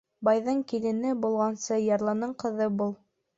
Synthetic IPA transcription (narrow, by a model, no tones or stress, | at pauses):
bɑjðɤɴkilɘ̆nɘbulˠʁɑnsɤjɑɾlˠɑnɤɴqɤ̆ðɤbulˠ